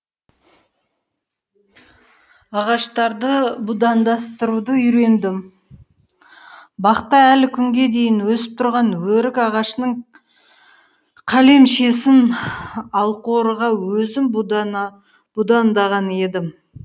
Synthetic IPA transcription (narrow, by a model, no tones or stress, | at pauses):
ɑʁɑʃt̪ɑɾd̪əbud̪ɑnd̪ɑst̪əɾud̪əʏɾe̞nd̪ɪm | bɑqt̪ːɑælɪkʲʰʏŋɡʲe̞d̪e̞jɪnwɵsɪp̚t̪ʰʊɾʁɑnwɵɾɪkɑʁɑʃənəɴ | qʰæle̞mʃe̞sɪn | ɑlˠqoɾəʁɑwɵzɪm | b̥ud̪ɑnd̪ɑʁɑne̞d̪ɪm